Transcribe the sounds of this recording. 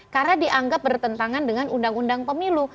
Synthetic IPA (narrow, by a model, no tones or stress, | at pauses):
karnadiʔaŋɡap̚bərt̪ənt̪aŋandəŋanundaŋundaŋpəmilu